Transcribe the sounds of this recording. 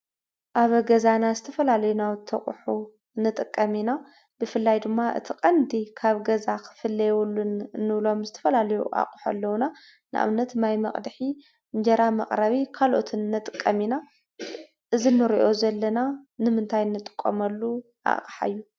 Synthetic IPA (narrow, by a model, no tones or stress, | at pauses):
ʔaβɐɡɐzanazɨt̪ʰɐfɐlalɐjunawt̪ʰɐχʼħu | nːɨt̪ʼɨkʼːɐmina | b̥ɨfɨlːajd̪ɨmːaʔɨ̰t̪ʰiqʼɐnd̪ikʰaβɡɐzakʰɨ̥fɨlːɐjwulːunnːɨβlo̞mzɨt̪ʰɐ̥fɐlalɐjuʔa̰χʼuħa̰lːɐwna | nɨʔa̰βnɐt̪majmɐχʼd̪ħi | ɲd͡ʒɐɾamɐqʼɾɐβikʰalʔo̞̰t̪ʰɨnːɨt̪ʼɨkʼːɐmina | ʔɨzinːɨɾiʔo̞zɐlːɐnanɨmɨnt̪ʰajɨnːɨt̪ʼɨ̥kʼːɐ̰mɐlːu | ʔa̰qʼħa̰jːu